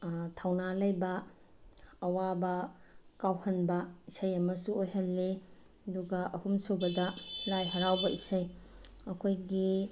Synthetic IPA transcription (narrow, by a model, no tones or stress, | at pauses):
tʰawnalɐjbɐː | wabɐkawhɐnbɐisɐjɐmɐsuojɦɐlːe | ɐduɡɐʔɐhumsobɐdɐlajɦɐɾawbɐisɐjɐkʰojɡi